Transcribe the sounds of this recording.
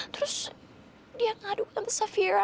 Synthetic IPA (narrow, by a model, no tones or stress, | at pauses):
t̪ɾʊs | diaŋadukt̪anðəsafiɹa